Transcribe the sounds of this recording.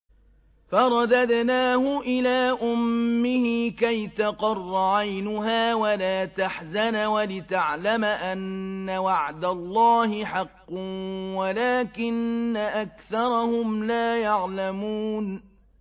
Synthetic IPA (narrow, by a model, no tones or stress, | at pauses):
fɑɾˤɑd̪ad̪naːhʊʔɪlaːʔʊmːɪhikajt̪ɑqɑrˤːɑʕajnʊɦaːwalaːt̪aħzanwalɪt̪aʕlamʔanːawaʕd̪alˤːɑːhɪħɑqːwalaːkɪnːaʔakθɑɾˤɑhʊmlaːjaʕlamuːn